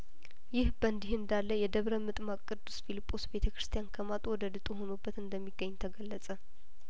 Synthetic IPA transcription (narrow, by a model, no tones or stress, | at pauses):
jɪhbənd̪ihɨnd̪alːəjɛd̪əβɾəmɨt̪ʼmakʼːɨd̪u̥sfilipʼːo̞sbe̞t̪ʰəkɾɨ̥st̪ʰijankʰəmat̪ʼwɔd̪əd̪ɨt̪ʼuɦonobːət̪ɨnd̪əmːiɡːəɲːt̪ʰəɡəlːəsʼə